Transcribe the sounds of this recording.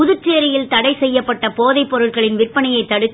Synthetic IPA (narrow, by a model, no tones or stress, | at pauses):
ʊðɯt͡ʃːeːɾɪjɪlt̪ɐɽɐɪsɛjːɐpːɐʈːɐpoːðɐɪpːɔɾɯɭɣɐɭɪnʋɪrpːɐnɐjɐɪt̪ːɐɽɯt̪ː